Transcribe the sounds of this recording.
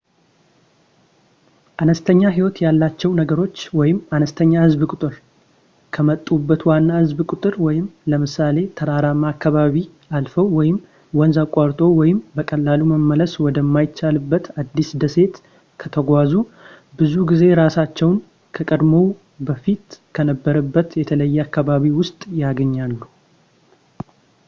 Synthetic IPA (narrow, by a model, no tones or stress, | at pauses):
ʔanəst̪ʰəɲːaɦiwɔt̪jalːat͡ʃːɛwnəɡəɾo̞t͡ʃːwɔjɪmanəst̪ʰəɲːahɨzbkʼʊt̪ʼɨɾ | kʰəmət̪ʼːubːət̪wanːahɨzbkʼʊt̪ʼɨɾwɔjɪmləmɨsale̞t̪ʰəɾaɾamakːaβaβi | alfəwːɔjɪm | wɔnzakʷʼːaɾt̪ʼo̞wɔjɪmbəkʼəlːaluməmːələswɔd̪əmːajɪt͡ʃːalɨbːət̪ad̪ːisd̪əse̞t̪ | kʰət̪ʰəɡʷazu | bɨzuɡize̞ɾasat͡ʃːɛwn | kʰəkʼəd̪mo̞ | bəfit̪kʰənəbːəɾəbːət̪jɛt̪ʰələjːɛakːaβaβiwʊst̪ʼjaɡəɲːalːu